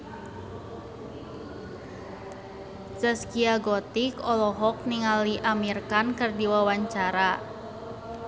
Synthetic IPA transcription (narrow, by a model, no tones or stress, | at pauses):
səskiaɡɔt̪ikɔlɔɦɔk̚niŋaliʔamirkankɨrdiwawaɲt͡ʃaɾa